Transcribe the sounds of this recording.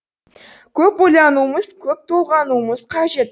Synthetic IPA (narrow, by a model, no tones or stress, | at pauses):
kʲʰɵpojlˠɑnuəməz̥kʲʰɵp̚t̪ʰolˠʁɑnuəməz̥qʰɑʒe̞t̪